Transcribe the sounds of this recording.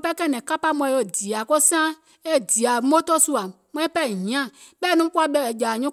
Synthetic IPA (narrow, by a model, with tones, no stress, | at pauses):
pɛ˦kɛ˦˨nɛ̃˨ka˦pa˦mɔ̃˨˦o˦˨di˨a˨ko˦sã˦ | e˦˨di˨a˨mo˦t̪ɔ˦su˦a˨ | mɔ̃˦i˦pɛ˦˨ɲĩ˨ã˦˨ | bɛ˦˨nũ˦ku˦a˨bɛ˦e˨d͡ʒa˨ɲɔ̃˦